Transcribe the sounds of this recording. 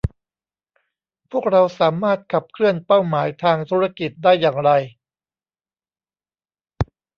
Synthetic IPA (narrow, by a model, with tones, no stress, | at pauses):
pʰuː˥˩ək̚ɾa˧wsaː˩˦maː˥˩t̪̚kʰa˨˩p̚kʰɾɯ˥˩ənpa˥˩wmaː˩˦jt̪ʰaː˧ŋt̪ʰuː˦˥ɾa˥˧ki˨˩t̪̚daː˥˩jːaː˨˩ŋɾa˧j